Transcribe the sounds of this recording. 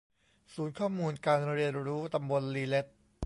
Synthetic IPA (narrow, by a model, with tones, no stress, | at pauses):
suː˨˩˦nkʰɔː˥˩muː˧nkaː˧nɾi˧ənɾuː˦˥t̪a˧mbo˧nliː˧le˦˥t̪̚